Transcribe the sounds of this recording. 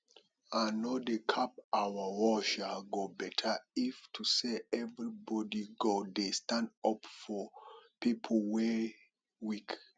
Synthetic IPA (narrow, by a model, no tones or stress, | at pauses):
anodekʰap̚awawɔʃalɡobɛtʰəiftʰuseɛvɹibɔdiɡodestãndɔpfɔpipʰl̩wɛ | wik